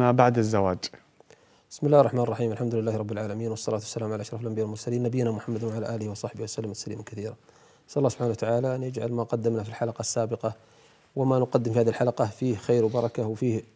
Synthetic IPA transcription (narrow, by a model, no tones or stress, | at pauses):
abaʕd̪azːawaːd͡ʒ | bɪ̥smɪlaːhrˤːɑħmaːnɪrˤːɑħiːmalħamd̪ʊlɪlːaːhɾˤɑbːɪlʕaːlamiːnwɑsˤːɑlaːt̪wasːalaːmʕalaʔaʃɾˤɑfalʔambɪjaːwlmʊɾsaliːnːabɪjːnamʊħamːad̪nwaʕalaːʔaːlɪhiwɑsˤɑħbɪhwasalːɪmt̪saliːmakaθiːɾa | asʔalˤːɑːsʊbħaːnawat̪aʕaːlaʔnjad͡ʒʕa̰lmaqɑd̪ːɪmnafilħalɑqɑsːaːbɪqɑ | wɪmanʊqɑd̪ːɪmfihaðihɪlħalɑqɑfiːhxaːɾwbɑɾˤɑkawfiːh